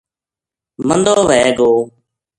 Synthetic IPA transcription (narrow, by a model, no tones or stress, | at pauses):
mənd̪oːʋɛːɡoː